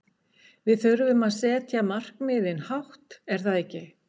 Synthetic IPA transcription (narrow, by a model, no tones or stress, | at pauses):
vɪðθœɥɾʏvʏmaðsɛːt̪ʰjamar̥kmɪːðɪnhawht̪ɛɾ̥θaðehcːɪ